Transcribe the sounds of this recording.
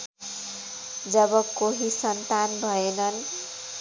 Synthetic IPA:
d͡zʌbʌkoɦisʌnt̪anbʱʌenʌn

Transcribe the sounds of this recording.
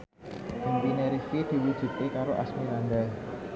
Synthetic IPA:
impineɾifid̪̥i̤wud̥ʒ̥ṳt̪ekaɾoʔa̰smiland̪a

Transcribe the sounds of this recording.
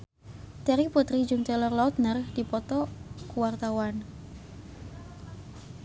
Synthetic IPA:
t̪ɛɾiput̪ɾid͡ʒʊŋt̪ɛlɔrlaʊt̪̚nərhdipɔt̪ɔkuwart̪awan

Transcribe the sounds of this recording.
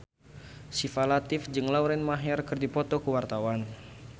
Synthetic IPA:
sifalat̪ɪfd͡ʒɨŋlawɾɛnmaɦɛrkɨrdipɔt̪ɔkuwart̪awan

